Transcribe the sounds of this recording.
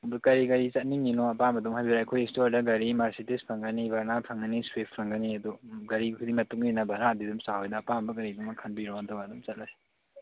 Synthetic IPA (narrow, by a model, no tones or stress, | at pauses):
dukɐɾikɐɾit͡ʃɐt̚niŋinoɐpambɐdumɦhajbiɾajkʰojekstoɾdɐɡɐɾimaɾsitispʰɐŋɡɐnibaɾnapʰɐŋɡɐniswepʰpʰɐŋɡɐniɐduɡɐɾikʰudimɐtuŋdinɐbɐɾadidumsaɦojnɐːpambɐk̬ɐɾidumɐkʰɐnbiɾɔdɐwadumt͡ʃɐt̚laj